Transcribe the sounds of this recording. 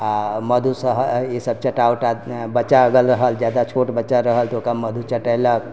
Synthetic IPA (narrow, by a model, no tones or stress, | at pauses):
məd̪ʱusəɦəesəb̚t͡ʃaʈawʈabət͡ʃaəɡəlɾəɦəld͡ʒjad̪at͡ʃʰoʈbət͡ʃaɾəɦəlt̪okaməd̪ʱut͡ʃaʈəjlək̚